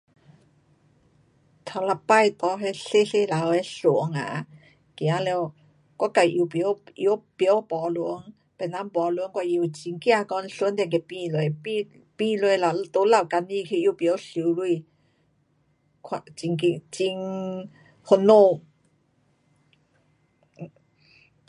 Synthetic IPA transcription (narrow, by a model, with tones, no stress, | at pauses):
t̪ʰa˨˧˩wla˧˩pa˥˧˨jt̪ɔ˧ɦe˧ɬe˥˧ɬe˧la˨˦we˧ɬu˨əŋa̰˨ | kja˨˦lɛ˧w | kwa˧˦ka˨˩jʔi˧wpjʔḭ˧˦pɔ˧˦wpɔ˨˩lu˨˧˦ə˦ŋ | pɛ˨˩na˧˦mpɔ˨˩lu˨ə˦ŋkwa˧˩ji˧˨t͡ɕi˧ŋkja˧kɔ˧˦nɬu˧˦nt̪ɛ˧˨ŋke˧pi˧lwe˧jpi˧ | pi˧le˧jla˧t̪o˧˦la˧˩wka˧ni˧˨kʰi˧jpjɔ˨˧˦wɬi˨˧˦wlwu˧˨ | kʰa˧t͡ɕi˧ŋki˧t͡ɕi˧ŋ | ho˧no˥˧˨